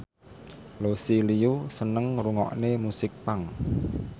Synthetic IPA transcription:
losilijusənəŋruŋɔ̰ʔnemusɪk̚paŋ

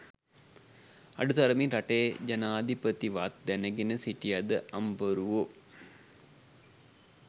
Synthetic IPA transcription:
ɐ̰ɖut̪ɐɾɐminɾɐʈeːd͡ʒɐnaːd̪ʱipət̪iʋat̪̚d̪ænəɡenəsiʈijɐd̪əʔɐmbəɾuʋo

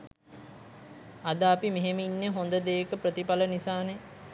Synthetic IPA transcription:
ad̪əapimeɦeməinːeɦond̪əd̪eːkəprət̪ipalənisaːne

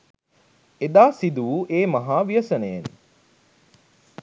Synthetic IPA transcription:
ed̪aːsid̪uʋuʔeːmɐɦaːʋijɐsɐneen

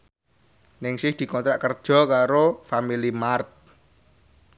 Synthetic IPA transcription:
nɪŋsɪhd̪̥i̤kɔnt̪ɾaʔkərd̥ʒ̥ɔ̤kaɾofamilimart̪̚

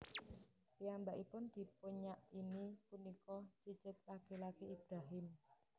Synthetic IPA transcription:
piambaʔipʊnd̪̥i̤puɲaʔinipunikɔt͡ʃi̥d͡ʒ̥ɪt̪̚lakilakiib̥ɾaɦɪm

